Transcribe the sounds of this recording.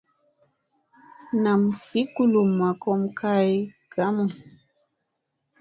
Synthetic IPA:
na˨mfi˨˦ku˦lu˨mːa˨kɔ˦mkʰa˦j | ɡ̥a˨˦mu˨

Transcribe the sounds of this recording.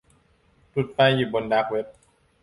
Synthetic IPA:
t̪u˨˩t̪̚pa˧jːuː˨˩bo˧ndaː˦˥k̚we˦˥p̚

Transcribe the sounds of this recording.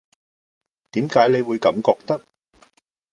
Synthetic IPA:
t̪iː˨˥mkaː˨˥jne˨˧jwuː˨˧jkɐ˨˥mkɔː˧k̚t̪ɐ˥k̚

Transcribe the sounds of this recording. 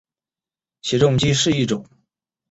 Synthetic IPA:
ɕjɛ˧˥ʈ͡ʂʊ˥˩ŋt͡ɕi˥ʂɻ̩˥˧i˥˩ʈ͡ʂʊ˨˩˦ŋ

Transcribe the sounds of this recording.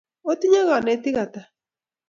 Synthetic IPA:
o˦ti˦ɲa˦ɣa˨nɛ˨˦ti˦ɣa˨ta˨

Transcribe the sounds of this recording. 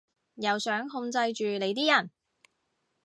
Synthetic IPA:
jɐ˨wsœː˨˥ŋɦʊ˧ŋt͡sɐ˧jt͡ʃyː˨ne˨˧jt̪iː˥jɐ˨˩n

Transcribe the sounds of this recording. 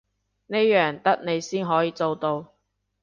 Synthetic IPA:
ne˥jjœː˨˩ŋt̪ɐ˥k̚ne˨˧jsiː˥nɦɔː˨˥jiː˧t͡so˧wt̪o˧w

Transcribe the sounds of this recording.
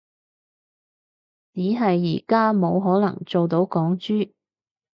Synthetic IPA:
t͡siː˨˥ɦɐ˨jːḭː˨˩kaː˥mo˨˧wɦɔː˨˥nɐ̰˨˩ŋt͡so˨wt̪̬o˨˥wkɔː˨˥ŋt͡ʃyː˥

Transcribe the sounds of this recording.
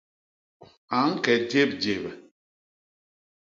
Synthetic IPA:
a˨˦ŋ̩˦kɛ˨te˦˨p̚d͡ʒe˨bɛ˨

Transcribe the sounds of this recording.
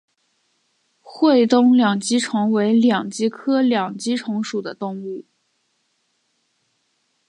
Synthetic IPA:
xwe˥˩ɪt̪ʊ˥˩ŋljɑ˨˩ŋt͡ɕi˥ʈ͡ʂʰʊ˧˥ŋwe˧˥ɪljɑ˨˩ŋt͡ɕi˥kʰɤ˥ljɑ˨˩ŋt͡ɕi˥ʈ͡ʂʰʊ˧˥ŋʂu˨˩d̪ə˦t̪ʊ˥˧ŋu˥˩

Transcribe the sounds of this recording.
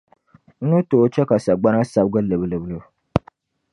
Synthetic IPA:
n̩˦nɨ˦to˨˦t͡ʃɛ˦ka˨sa˨ɡ͡ba˦na˦sa˦bɡɨ˦lɨ˨bɨ˨lɨ˨blɨ˦˨

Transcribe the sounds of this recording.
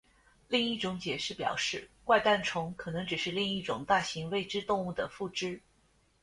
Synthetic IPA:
li˥˧ŋi˥˩ʈ͡ʂʊ˧˥ŋt͡ɕjɛ˨˩ʂɻ̩˥˩pjɑ̰˨˩ʊʂɻ̩˥˩kwa˥ɪt̪a˥˩nʈ͡ʂʰʊ˧˥ŋkʰɤ˨˩nɤ˧˥ŋʈ͡ʂɻ̩˨˩ʂɻ̩˥˧li˥˧ŋi˥˩ʈ͡ʂʊ˨˩ŋt̪a˥˩ɕi˧˥ŋwe˥˩ɪʈ͡ʂɻ̩˥t̪ʊ˥˧ŋu˥˩d̪ə˩fu˥˩ʈ͡ʂɻ̩˥

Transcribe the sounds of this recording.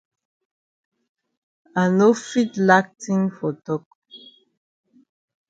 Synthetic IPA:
a˨no˦fi˦tla˦k̚tʰĩ˦ŋfɔ˨tɔ˦k̚

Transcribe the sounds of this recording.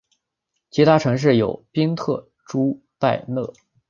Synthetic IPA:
t͡ɕʰi˧˥t̪ʰa˥ʈ͡ʂʰɤ˧˥ŋʂ̬ɻ̩˥˩jo˨˩ʊpi˥ŋt̪ʰɤ˥˩ | ʈ͡ʂu˥ | pa˥˧ɪnɤ˥˩

